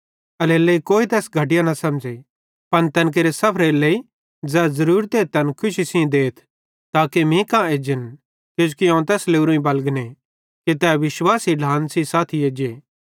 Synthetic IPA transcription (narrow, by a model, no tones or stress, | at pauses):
ɐleːleikoːit̪ɛːsɡʱɐʈ̬ɪjãnɐsɐ̃md͡ʒe | pɐnt̪ɐnk̬eːɾesɐpʰɾeːlei | d͡zɛːzɐɾuːɾt̪eːt̪ɐnkʰʊʃisĩd̪eːt̪ʰ | t̪aːkemĩkãeːd͡ʒɪn | kod͡ʒukiãːt̪̬ɛːsleːuɾũĩbɐlɡne | kit̪ɛːʋɪʃwaːsiɖʱãːnsisaːt̪ʰieːd͡ʒeː